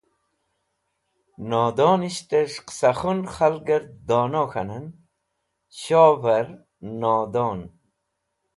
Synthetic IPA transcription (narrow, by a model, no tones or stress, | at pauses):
noːd̪oːniɕt̪eʂqsɐχunχɐlɡɐɾd̪oːnoːxɐ̰nɐn | ɕoːvɐɾ | noːd̪oːn